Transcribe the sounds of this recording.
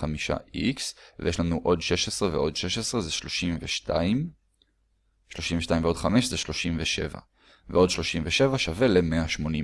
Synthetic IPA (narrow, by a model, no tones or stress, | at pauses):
amiʃa̰ʔiksvḛjeʃlanuʔo̞dʃe̞ʃesʁeveʔo̞dʃeʃesʁezeʃloʃimveʃtam | ʃlo̞ʃimveʃt̪aimveo̞dχameʃzeʃlo̞ʃimveʃe̞̰va̰ | veo̞dʃlo̞ʃimveʃe̞vaʃave̞lemeaʃmo̞ni